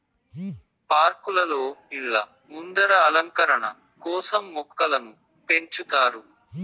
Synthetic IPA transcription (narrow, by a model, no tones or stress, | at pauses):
paːɾkulɐloːiɭːɐ | mund̪ɐɾɐːlɐŋkɐɾɐɳɐ̰ | kɔːsɐmːɔkːɐlɐnu | pe̞ɲt͡ʃut̪aːɾu